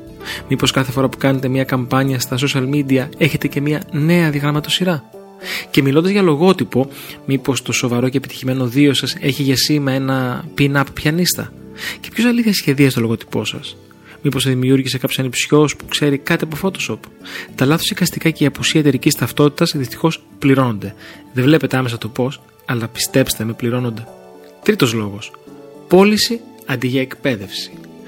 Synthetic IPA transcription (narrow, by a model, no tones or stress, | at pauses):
mipo̞skɐθe̞fo̞ɾɐpu̥kɐnet̪e̞mɲɐkɐmpɐɲɐst̪ɐs̬o̞sʃiɐlmid̪iɐe̞çe̞t̪e̞ce̞miɐne̞ɐðiɐɣɾɐmɐt̪o̞siɾɐ | ce̞milo̞nd̪ɐzʝɐlo̞ɣo̞t̪ipo̞mipo̞st̪o̞so̞vɐɾo̞ce̞ːpit̪i̥çime̞no̞ðio̞sɐse̞çiʝɐsimɐe̞nɐpinɐppçɐnist̪ɐ̰cepço̞sɐliθçɐsçe̞ðiɐst̪olo̞ɣo̞t̪i̥po̞̰sɐ̰s | miposeðimiuɾʝise̞kɐpçosɐnipsço̞spu̥kse̞ɾikɐt̪iɐpo̞fo̞t̪o̞so̞pt̪ɐlɐθosikɐst̪ikɐceiɐpusiɐet̪e̞ɾicist̪ɐft̪o̞t̪i̥t̪ɐsðist̪i̥xo̞s | pliɾo̞no̞nd̪e̞ðe̞vle̞pet̪e̞ɐme̞sɐt̪o̞po̞s | ɐlɐpi̥st̪e̞pst̪emepliɾo̞no̞nd̪e̞ | t̪ɾit̪o̞zlo̞ɣo̞spo̞lisi | ɐnd̪iʝɐekpe̞ðe̞fsi̥